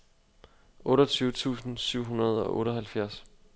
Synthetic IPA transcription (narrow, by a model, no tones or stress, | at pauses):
ʔɔ̽ːɾɐt͡sʰyːʊət͡sʰṵːsn̩syʊ̰ɦunɐð̞ˠɒ̽ʔɔ̰ːɾɐɦælfjæɐs